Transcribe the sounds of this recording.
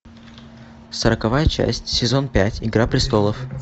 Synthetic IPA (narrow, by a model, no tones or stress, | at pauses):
səɾəkɐvajət͡ɕæ̰sʲtʲsʲɪzo̞npʲætʲɪɡɾapɾʲɪst̪o̞lˠəf